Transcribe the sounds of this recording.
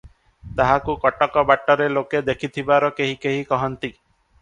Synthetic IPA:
t̪aɦakukɔʈɔkɔbaʈːɔɾeloked̪ekʰit̪ʰibaɾɔkeɦikeɦikɔɦɔnt̪i

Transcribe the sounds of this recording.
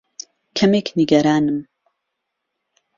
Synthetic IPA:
kʰɐmekniɡɐɾaːnɨm

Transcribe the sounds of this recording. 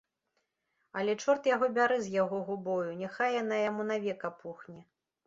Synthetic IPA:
ɐlʲɛt͡ʂɔrt̪jaɣɔbʲaɾɨzʲjaɣɔɣubɔjunʲɛxajanajamunavʲɛkɐpʰuxnʲɛ

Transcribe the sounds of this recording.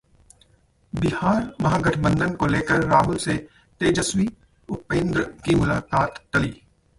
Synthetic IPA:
bɪhaːɾmɐɦaːɡɐʈʰbə̃nd̪ənkoleːkəɾːaːɦʊlse | t̪eːd͡ʒəswi | ʊpẽːnd̪ɾkimʊlaːkaːt̪ːɐliː

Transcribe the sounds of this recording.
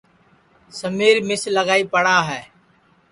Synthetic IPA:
səmiːɾmɪsləɡaːiːpəɽaːɦɛː

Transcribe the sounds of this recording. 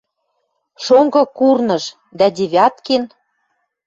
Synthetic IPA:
ʃoŋɡɤ̆kurnɤ̆ʃ | d̪æd̪ʲeβʲɑt̪ken

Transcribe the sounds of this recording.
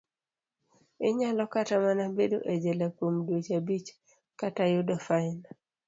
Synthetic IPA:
ɪɲalɔkatamanabedo̰ʔed͡ʒɛlakwomdwot͡ʃabit͡ʃ | katajʊdɔfaɪn

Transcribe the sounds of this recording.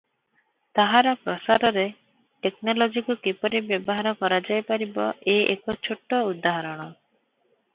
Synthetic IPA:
t̪aɦaɾapɾɔsaɾɔɾe | ʈeknɔlɔd͡ʒikɔkipɔɾibjɔbɔɦaɾɔkɔɾad͡ʒajpaɾibɔʔeʔekɔt͡ʃʰoʈːɔud̪aɦɔɾɔɽ̃ɔ

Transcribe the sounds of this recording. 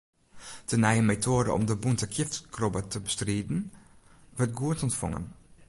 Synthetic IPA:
dənɛjəmetʰoːdə̰ʔɔ̰mdəbuntəkʰjɪftkrɔbətəbəstriːdn̩ | ʋəɹt̚ɡuətɔntfɔ̰ŋə̰n

